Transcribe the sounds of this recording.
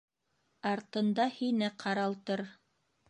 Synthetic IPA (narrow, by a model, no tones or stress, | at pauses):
ɑɾt̪ɤ̆nd̪ɑhinɘqʰɑɾɑlˠt̪ɤɾ